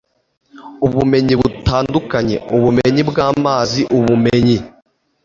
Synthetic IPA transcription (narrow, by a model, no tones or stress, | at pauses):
uβume̞ɲiβutaːndukaɲe̞̰uβumeɲibɡaːmaːziʔuβumeɲi